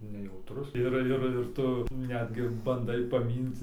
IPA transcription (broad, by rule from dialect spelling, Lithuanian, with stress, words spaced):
nʲɛjɛʊˈtrʊs ˈɪr ˈɪr ˈɪr ˈtʊ ˈnʲæːdʲɡʲɪ bɐnˈdɐɪ pɐˈmʲiːnʲtʲɪ